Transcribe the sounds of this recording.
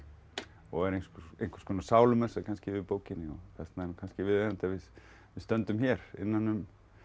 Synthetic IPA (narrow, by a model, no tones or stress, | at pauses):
ɔɣɛɾejnskejŋ̥kʰḁskʰɔːnasaːwlʏmɛnsɛkʰanscɪvɪpoːwcɪnːɪɔθɛ̥t̪naɛɾnukanscɪvɪðeamt̪avɪð | vɪðst̪œnt̪ʏmçɛɾɪ̰nːanːʏm